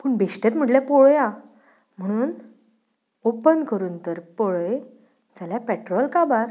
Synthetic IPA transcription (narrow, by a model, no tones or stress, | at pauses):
pəɳbʱeʂʈjet̪̬m̤əʈljapoɭja | m̤əɽ̃uːn | opənkəɾuːnt̪əɾpoɭəj | d͡zaljapɛʈɾɔlkabaɾ